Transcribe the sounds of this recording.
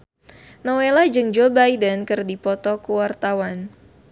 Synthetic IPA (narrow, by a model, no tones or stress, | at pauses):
nowelad͡ʒɨŋd͡ʒobajdənkɨrdipɔt̪ɔkuwart̪awan